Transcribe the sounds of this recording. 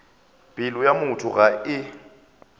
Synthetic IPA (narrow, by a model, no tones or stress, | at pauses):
b̥ʼɪlɔjamʊtʰʊɣaʔɪ